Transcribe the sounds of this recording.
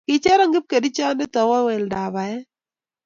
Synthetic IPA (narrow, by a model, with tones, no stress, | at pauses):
kɪ˨t͡ʃɛ˦ɾɔ˦ŋɡɪ˦p̚ke˨di˦t͡ʃa˦ndɛ˦tɔ˨wɔ˦wɛ˨lda˨ba˨ɛ˦